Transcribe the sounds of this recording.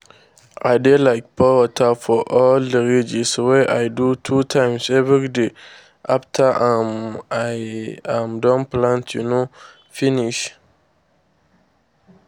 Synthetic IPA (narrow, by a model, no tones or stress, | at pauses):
ʔa̰ɪdelaɪk̚pʰɔwatʰafɔʔɔldəɹid͡ʒiswɛʔajdutʰutʰãɪ̃msɛvɹide | ʔaftʰaʔãmaãmdɔ̃nplãntʰjuno | fĩniʃ